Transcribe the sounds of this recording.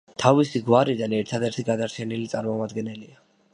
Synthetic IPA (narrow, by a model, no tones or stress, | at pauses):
t̪ʰavisiɡwaɾid̪anɛɾt̪ʰad̪ɛɾt̪ʰiɡad̪aɾt͡ʃʰɛnilit̪sʼaɾmɔmad̪ɡɛnɛlia